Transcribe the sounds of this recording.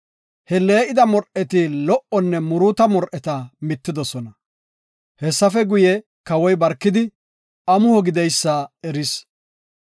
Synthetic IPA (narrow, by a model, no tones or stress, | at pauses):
hɛle̞ːʔɪd̪ɐmɔɾʔɛt̪ɪlɔʔɔnːɛmʊɾuːt̪ɐmɔɾʔɛt̪ɐmɪt̪ːɪd̪ɔsɔnɐ | hɛsːɐfɛɡʊjɛ | kɐwɔjbɐɾkːɪd̪ɪ | ʔɐmʊhɔɡɪd̪ɛjsːɐɛɾɪs